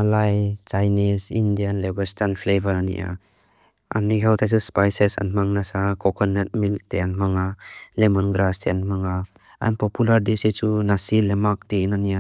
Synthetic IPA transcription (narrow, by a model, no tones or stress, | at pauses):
alajt͡ʃajnisindijanlebɐstanpʰlevʱəɾanḭʔa̰ | a̰niɡawt̪ʰajsuspajsesa̰nmaŋnasakɔkʰɔnːet̚mil̚teanmaŋalemɔnɡɾasteanmaŋa | a̰npɔpulaɾdisit͡ʃunasilemak̚tinania